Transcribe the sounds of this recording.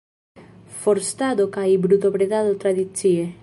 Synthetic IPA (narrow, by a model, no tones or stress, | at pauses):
foɾst̪aðokaibɾut̪oβɾeðaðot̪ɾaðit͡sie